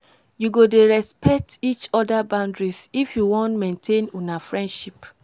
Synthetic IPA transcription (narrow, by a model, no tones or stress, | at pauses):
juɡodeɹɛspʰɛk̚tit͡ʃɔdabãʊ̃ndɹisifjuwɔ̃ntmẽntʰẽnonafɹɛ̃ndʃip